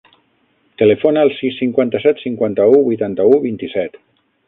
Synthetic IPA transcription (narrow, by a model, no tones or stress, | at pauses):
t̪ələfonaːlˠsisːiŋkwant̪əsɛt̪siŋkwant̪əuβujt̪ant̪əuβint̪isɛt̪